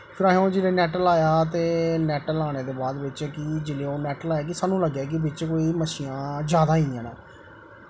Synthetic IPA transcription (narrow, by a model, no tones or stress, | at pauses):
pʰɪɾaːɦõːd͡ʒɪleːnɛːʈəlaːjaːt̪eːnɛːʈəlaːñeːd̪eːbaːd̪ʋɪt͡ʃkid͡ʒɪleːoːnɛːʈəlaːjaːk̬ɪsaːnːũːləɡjaːk̬ɪbɪt͡ʃkoːiːməʃiːãːd͡ʒjaːd̪aːĩːãːnãː